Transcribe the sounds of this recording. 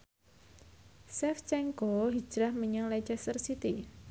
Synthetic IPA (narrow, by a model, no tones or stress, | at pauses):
sɛft͡ʃɛŋkoɦi̥d͡ʒ̥ɾahməɲəŋlɛd͡ʒɛst̪ərsit̪i